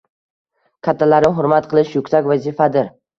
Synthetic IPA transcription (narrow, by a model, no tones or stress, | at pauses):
kʲʰat̪ʰːalaɾɦʊɾmat̪qʰɨlˠɪʃjʊkʲsakʲvazifad̪ɪɾ